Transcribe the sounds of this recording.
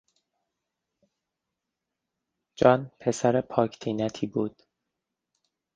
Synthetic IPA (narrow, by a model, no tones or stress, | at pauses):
d͡ʒɒːnpʰe̞sæɾepʰɒːcʰt̪ʰiːnæt̪ʰiːbuːd̪̥